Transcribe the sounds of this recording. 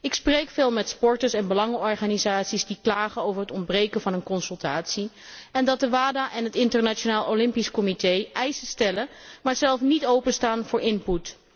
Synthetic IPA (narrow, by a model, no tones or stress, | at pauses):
ɪksprejkfɪːlˠmɛtspɔɹtəɹsɛnbəlɑŋəɔɹχaːnizaːtsizdiklaːχəowvəɹɦətɔndbrejkənvɑnənkɔnsɵlˠtaːtsi | ɛndɑt̚dəʋaːdaːʔɛnɦətɪntəɹnat͡ʃonaːlˠolɪmpiskɔmitejʔɛjsəstɛləmaːɹzɛlˠfnitowpənstaːnvʊːɹʔɪnput